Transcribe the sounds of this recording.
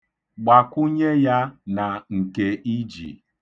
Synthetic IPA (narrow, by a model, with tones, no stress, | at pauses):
ɡ͡ba˨kʷu˦ɲe˦ja˦na˨ŋ̩˨ke˦i˦d͡ʒḭ˨